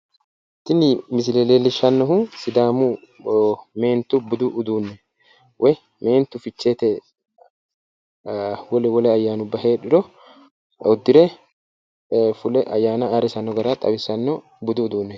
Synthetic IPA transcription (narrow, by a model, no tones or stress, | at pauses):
ɪt̪ːɪnːɪmɪsɪlelelːɪʃɐnːɔɦʊsɪd̪aːmʊ | me̞ːnt̪ʊbʊd̪ʊʔːd̪uːnːɛ | wʔɛj | me̞ːnt̪ːʊfɪt͡ʃːeːt̪ɛ | wɔlɛwɔlɛɐjːaːnʊbːɐɦe̞ːᶑɪɾɔ | ɔd̪ːɪɾɛ | fʊlɛʔɐjːaːnɐːɾɪsɐnːɔɡɐɾat̪ʼɐ̰bɪsɐnːɔ | bʊd̪ʊːd̪uːnːɛ